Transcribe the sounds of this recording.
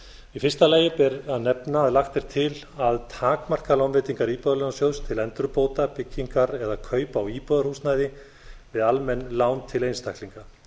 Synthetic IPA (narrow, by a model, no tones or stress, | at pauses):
ifɪ̥st̪alaːjɪpɛɾaðnɛpnaːðlaxt̪ɪɾ̥t̪ʰɪl | aðt̪ʰaːkmar̥kalawnvɪːt̪iŋkaɾiːpɔðalnasjowst̪ʰɪlɛnt̪ɾʏpoːwt̪apɪcːiŋkaɾɛðakʰœːɥpaːwiːpɔðaɾrhusnaːjðɪ | vɪðalmɛnːlaːwnt̪ʰɪlejnst̪ʰahkliŋka